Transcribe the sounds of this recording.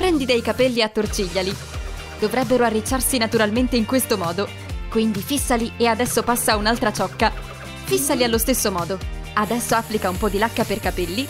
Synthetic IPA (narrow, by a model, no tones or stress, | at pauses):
pɾɛnd̪id̪ɛjkapɛlːiat̪ːort͡ʃiʎːali | d̪̥ovɾɛbːeɾoarːit͡ʃːarsinat̪uɾalment̪eiŋkwest̪omɔːd̪o | kwind̪ifisːaliead̪ɛsːopasːaunalt̪ɾat͡ʃɔkːa | fisːalialːost̪esːomɔːd̪o | ad̪ɛsːoapːlikaumpɔd̪ːilakːaperkapelːi